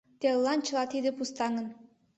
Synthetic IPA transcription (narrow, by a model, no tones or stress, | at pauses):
t̪elˠːɑnt͡ɕɤ̆lˠɑt̪id̪ɘ̆pust̪ɑŋɤ̆n